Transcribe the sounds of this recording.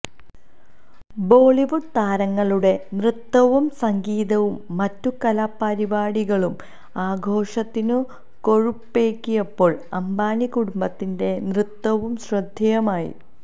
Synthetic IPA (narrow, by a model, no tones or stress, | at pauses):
bo̞ːɭiʋuɖt̪aːɾɐŋːɐɭuɽe̞nrɨt̪ːɐʋumsɐŋɡiːðɐʋumːɐtːukɐlapːɐɾibaːɽiɣɐɭum | aːɡʱo̞ːʂɐt̪ːinɨ | ko̞ɻupːe̞ːkʲːijɐpːo̞ːɭɐmbaːnikuɽumbɐt̪ːinde̞nrɨt̪ːɐʋumɕrɐd̪ʱjɐjɐmaːjḭ